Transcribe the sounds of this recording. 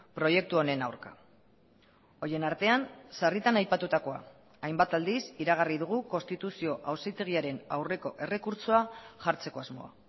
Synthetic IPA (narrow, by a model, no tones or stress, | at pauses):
pɾo̞je̞k̚t̪uo̞ne̞nawɾka̰ | o̞je̞naɾt̪e̞ansarit̪anajpat̪ut̪ako̞a̰ | ajmbat̪ald̪isiɾaɣ̞ariðuɣ̞uko̞nst̪it̪usio̞ʔawsejt̪e̞ɣ̞iaɾe̞na̰wre̞ko̞ʔe̞re̞kuɾt͡soaʝaɾt͡se̞ko̞azmo̞̰a̰